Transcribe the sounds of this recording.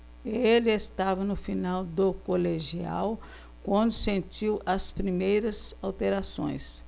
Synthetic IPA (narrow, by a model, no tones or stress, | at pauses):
elɪest̪avɐnʊfinawd̪ʊkoleʒia̰w | kwɐ̃nd̪ʊsẽnt͡ʃiwʔɐspɾimejɾɐzawt̪eɾasõ̰j̃s